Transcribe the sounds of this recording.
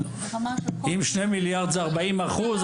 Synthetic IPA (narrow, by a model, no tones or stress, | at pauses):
imʃnemiljaʁd̪zaʁbaimaχuz